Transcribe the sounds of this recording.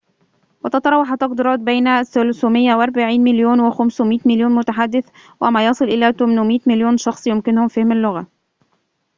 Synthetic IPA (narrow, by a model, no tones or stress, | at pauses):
wɪt̪ɑt̪ɑɾˤɑːwːɑħat̪ːɑqd̪iːɾˤɑːt̪̚bejnsːolʊsuːmɪjːawɪʔɑɾˤbaʕiːnmɪljuːnwɪxæmswmiːt̪mɪljuːnmʊt̪aħad̪ːɪθ | wæmæːjɑsˤɨlʔɪlæːt̪ʊmnʊmiːt̪mɪljuːnʃɑxsˤjʊmkɪnʊhʊmfahmalːʊɣa